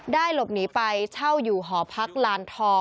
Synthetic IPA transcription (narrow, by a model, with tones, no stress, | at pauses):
daː˥˩jlo˨˩p̚niː˩˦pa˧jt͡ɕʰa˥˩wjuː˨˩ɦɔː˩˦pʰa˦˥k̚laː˧nt̪ʰɔː˧